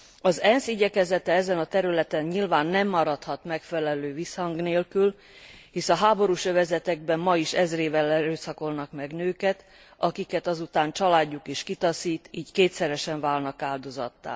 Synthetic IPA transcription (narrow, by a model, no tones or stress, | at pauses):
ɒzɛnsiɟɛkɛzɛt̪ɛɛzɛnɒt̪ɛɾylɛt̪ɛɲɲilvaːnːɛmːɒɾɒt̪hɒt̪mɛkfɛlɛløːvishɒŋɡneːlkyl | hisɒɦaːbo̞ɾuʃøvɛzɛt̪ɛɡ̚bɛmːɒiʃɛzreːvɛlːɛɾøːsɒko̞lnɒkmɛɡnøːkɛt̪ | ɒkikɛt̪ɒzut̪aːnt͡ʃɒlaːɟːukeːʃkit̪ɒsiːt̪iːckeːt̪sɛɾɛʃɛɱvaːlnɒkaːld̪o̞zɒ̰t̪ːa̰ː